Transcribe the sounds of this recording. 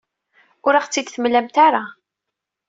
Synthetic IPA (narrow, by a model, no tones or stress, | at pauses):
ʊɾaχt͡sːid̪θəmlæmt̪aɾa